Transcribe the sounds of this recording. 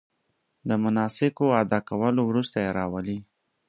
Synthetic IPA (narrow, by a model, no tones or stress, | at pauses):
d̪əmʊnɑsɪkoad̪ɑkawəlowɾust̪ajeɾɑwəli